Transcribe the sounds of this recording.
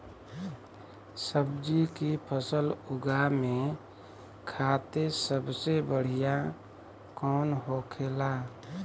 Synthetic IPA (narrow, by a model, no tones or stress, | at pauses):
səbd͡ʒikipʰəsəlʊɡamẽ | kʰaːt̪esəbsebəɽ̤ija | kɔːnɦokʰeːla